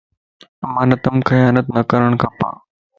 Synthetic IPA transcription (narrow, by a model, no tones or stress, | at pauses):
manɐt̪ɐmkʰɐjanət̪̚nɐkɐɾəɳkapa̰